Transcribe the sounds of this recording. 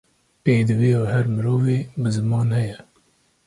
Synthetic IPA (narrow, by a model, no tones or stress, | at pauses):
peːd̪ɨveːɑːhæɾmɨɾoːveːbɨzɨmɑːnhɛjɛ